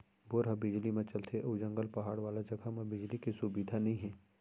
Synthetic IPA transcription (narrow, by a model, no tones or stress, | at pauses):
boɾɦɐbɪd͡ʒlimẽt͡ʃɐlt̪ʰeʔɐd͡ʒɐ̃ŋɡəlpɐɦaːɽʋaːlad͡ʒɐɡʱamɐbɪd͡ʒlikisubid̪ʱanɐɦĩɦɛ̃ː